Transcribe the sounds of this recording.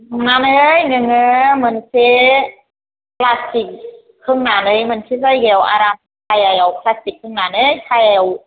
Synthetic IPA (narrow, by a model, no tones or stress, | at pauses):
nanɯjŋɯŋɯmɯnse | pʰlastik̚ʰː | ɯŋnaːnɯjmɯnsʰisajɡɛwʔa̰ːɾam | kajɛwkʰlastik̚ʰːɯŋnaːnɯjt̪ʰajɛw